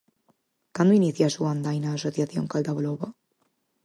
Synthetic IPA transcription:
kand̪oiniθjasuand̪ajnaːsoθjaθjo̰ŋkald̪aβloβa

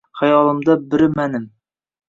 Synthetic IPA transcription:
χɑjɒlˠɤ̆md̪ɑbɘ̆ɾmænɘm

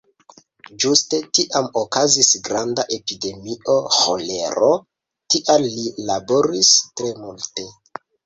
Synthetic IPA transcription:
d͡ʒuste̞tiʔamokazisɡɾandaʔe̞pide̞mio̞ho̰le̞̰ɾo̞ | tiʔalːilabo̞ɾistɾe̞multe̞

